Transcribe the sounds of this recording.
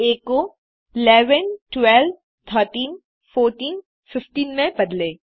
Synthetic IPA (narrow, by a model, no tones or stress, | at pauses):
eːko | ɪlɛːʋənʈwɛlb | t̪ʰəːɾʈiːn | foːɾʈiːn | fɪfʈiːnmẽbɐd̪leː